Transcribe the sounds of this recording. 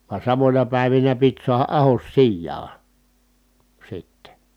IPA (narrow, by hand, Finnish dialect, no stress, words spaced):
ʋɑ sɑmonʲɑ pæˑi̯ʋinæ pit suɑhɑ ʔɑhos sijːɑː sitːe